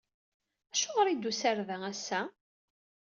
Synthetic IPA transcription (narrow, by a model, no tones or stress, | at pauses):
æʃoʁɾid̪ːusæɾvæŋæsːæ